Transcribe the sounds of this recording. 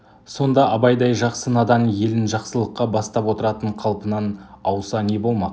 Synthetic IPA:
so̞nd̪ɑʔɑbɑjd̪ɑjʒɑqsənɑd̪ɑmje̞lɪnʒɑqsəlˠəqːɑbɑst̪ɑpwo̞t̪əɾɑt̪əɴqʰɑlˠpənɑnɑwsɑne̞bo̞lˠmɑq

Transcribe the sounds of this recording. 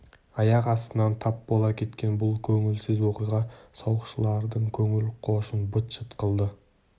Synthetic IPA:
ɑjɑqɑst̪ənɑnt̪ʰɑp̚bolˠɑkʲʰe̞t̪kʲe̞nbʊlˠkʲʰɵŋɪlsɪzwo̞qijʁɑsɑwəqʃəlˠɑɾd̪əɴkʲʰɵŋɪlqʰo̞ʃənbət̪ʃət̪qʰəlˠd̪ə

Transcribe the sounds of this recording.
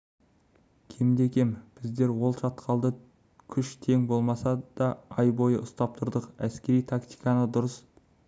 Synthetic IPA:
kʲʰemd̪e̞kʲʰe̞mb̥ɪzd̪e̞ɾwo̞lˠʃɑt̪qʰɑlˠd̪ə | kʲʰʏʃt̪ʰe̞ŋbo̞lˠmɑsɑd̪̥ɑɑjbo̞jəʔʊst̪ɑp̚t̪ʰʊɾd̪əqæskʲe̞ɾijt̪ʰakt̪i̥jkɑnəd̪ʊɾəs

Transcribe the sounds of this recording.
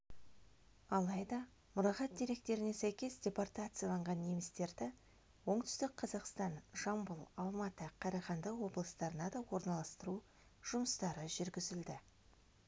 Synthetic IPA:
ɑlˠɑjd̪ɑ | mʊɾɑʁɑt̪̚d̪ʲe̞ɾe̞k̚t̪e̞ɾɪne̞sæjkʲe̞sdʲe̞port̪at̪sɨjalˠɑɴʁɑnːe̞mɪst̪e̞ɾd̪ɪ | wo̞ɴt̪ʏ̥st̪ɪk̚qʰɑzɑqst̪ɑnʒ̥ɑmbʊlˠɑlˠmɑt̪əqʰɑɾɑʁɑnd̪ɑwo̞blˠəst̪ɑɾənɑd̪ɑwo̞ɾnɑlˠɑst̪əɾu | ʒ̥ʊməst̪ɑɾəʒʏɾɡʲɪzɪld̪ɪ

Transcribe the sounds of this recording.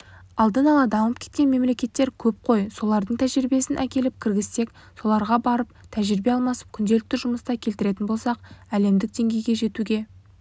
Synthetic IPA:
ɑlˠd̪ənɑlˠɑd̪ɑməp̚kʲʰet̪kʲe̞nme̞mle̞kʲe̞t̪ːe̞ɾkʲʰɵp̚qʰo̞jso̞lˠɑɾd̪əɴt̪ʰæʒɪɾbe̞sɪnʔækʲe̞lɪp̚kʲʰɪɾɡʲɪst̪e̞k | so̞lˠɑɾʁɑbɑɾəp̚t̪ʰæʒɪɾɪbe̞ɑlˠmɑsə̥p̚kʲʰʏnd̪elɪk̚t̪ɪʒʊməst̪ɑkʲʰe̞lt̪ɪɾe̞t̪ɪnbo̞lˠsɑqæle̞md̪ɪk̚d̪e̞ŋɡʲe̞jɡʲe̞ʒe̞t̪uɡʲe̞

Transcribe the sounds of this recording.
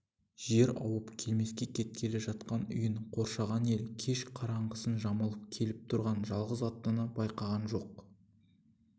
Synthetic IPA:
ʒ̥e̞ɾɑ̰wəpkʲʰe̞lme̞skʲe̞kʲʰe̞t̪̚kʲʰe̞le̞ʒɑt̪̚qɑnʏ̰jəɴqʰo̞ɾʃɑʁɑne̞lkʲʰe̞ʃqʰɑɾɑɴʁəsənʒɑməlˠəp̚kʲʰe̞lɪp̚t̪ʰʊɾʁɑnʒɑlˠʁəzɑt̪ːənəbɑjqɑʁɑnʒo̞q

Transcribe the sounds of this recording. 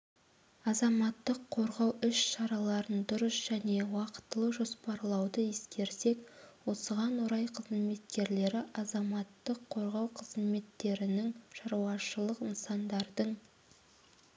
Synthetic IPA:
ɑzɑmɑt̪ːəqʰo̞ɾʁɑwʏʃʃɑɾɑlˠɑɾənd̪ʊɾəsʒ̥æne̞wɑqə̥t̪ːəlˠəʒo̞spɑɾlˠɑwd̪əje̞skʲe̞ɾse̞kwo̞səʁɑnwoɾɑjqʰəzme̞t̪kʲe̞ɾle̞ɾɪʔɑzɑmɑt̪ːəqʰːo̞ɾʁɑwqʰəzme̞t̪ːe̞ɾɪnɪŋʃɑɾwɑʃəlˠəqənsɑnd̪ɑɾd̪əɴ

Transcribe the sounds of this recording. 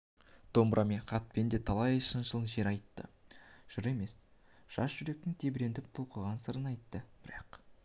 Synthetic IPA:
t̪ʰo̞mbɾʔɑme̞ɴqʰɑt̪̚pe̞nd̪et̪ʰɑlˠɑjʃənʃəlˠʒe̞ɾɑjt̪ːə̰ʒ̥ʊɾe̞me̞s | ʒ̥ɑsʒ̥ʏɾe̞k̚t̪ɪŋt̪ʰe̞bɾe̞nd̪ɪp̚t̪ʰolˠqəʁɑnsəɾənɑjt̪ːəb̥ɪɾɑq

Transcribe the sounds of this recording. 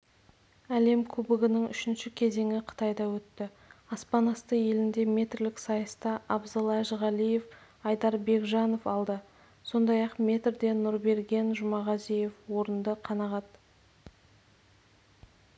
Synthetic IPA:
æle̞mkʲʰɵbɪɡʲɪnɪŋʏ̰ʃɪnʃɪkʲʰe̞ze̞ŋɪqʰə̥t̪ɑjd̪ɑwɵt̪ːɪ | ɑspɑnɑst̪əje̞lɪnd̪e̞mʲe̞t̪rlɪksɑjəst̪ɑʔɑbzɑlˠɑʒʁɑlije̞f | ɑjd̪ɑɾbe̞kʒɑno̞fɑlˠd̪ə | so̞nd̪ɑjɑqmʲe̞t̪rd̪e̞nʊɾbe̞ɾɡʲe̞nʒʊmɑʁɑzije̞fwo̞ɾənd̪əqʰɑnɑʁɑt̪

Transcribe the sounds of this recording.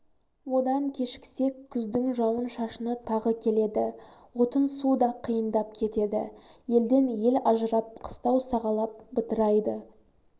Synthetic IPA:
wo̞d̪ɑŋkʲʰe̞ʃkʲɪ̥se̞kʲʰːʏzd̪ɪŋʒɑwənʃɑʃənət̪ʰɑʁəkʲʰe̞le̞d̪ɪwo̞t̪ənsud̪ɑqʰəjənd̪ɑp̚kʲʰe̞t̪e̞d̪ɪ̰je̞ld̪e̞nje̞lɑʒəɾɑp̚qʰə̥st̪ɑwsɑʁɑlˠɑp̚bət̪əɾɑjd̪ə

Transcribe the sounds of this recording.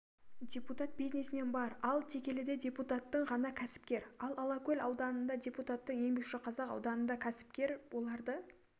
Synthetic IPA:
d̪ʲe̞put̪at̪̚bijznesɪne̞nbɑɾɑlˠt̪ʰe̞kʲe̞lɪd̪e̞dʲe̞put̪at̪ːəɴʁɑnɑkʲʰæsɪ̥p̚kʲe̞ɾɑlˠɑlˠɑkolʲɑwd̪ɑnənd̪ɑdʲe̞put̪at̪ːəŋje̞ŋbe̞kʃɪqʰɑzɑqɑ̰wd̪ɑnənd̪ɑkʲʰæsɪ̥pkʲe̞ɾwo̞lˠɑɾd̪ə

